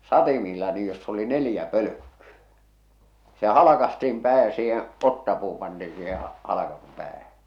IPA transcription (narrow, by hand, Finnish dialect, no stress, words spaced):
sɑtimiːlːɑ niːj josː oli nelĭjæ pølø̆kːyæ̥ se hɑlɑkɑstiːm pæː jɑ siːhẽː otːɑpuː pɑntiː siːhẽː hɑlɑkɑsum pæːhæ